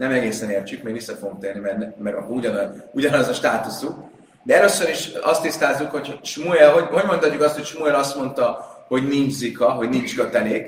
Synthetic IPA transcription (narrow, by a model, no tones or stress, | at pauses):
nɛmɛɡeːsɛneːrt͡ʃykmeːɡ̪isːɛfo̞ɡomt̪eːrnimɛrnɛmɛɾɒkouɟɒnuɟɒnɒzɒʃt̪aːt̪usuk | d̪ɛɛløːsøɾiʃɒst̪ːist̪aːlzːukho̞cʃmuɛlɦo̞ɟɦoɟmo̞nt̪ɒt̪cːukɒst̪hocʃmueɾɒst̪mo̞nt̪ɒho̞ɟnind͡ʒzikɒɦo̞ɟnint͡ʃkøt̪ɛleːk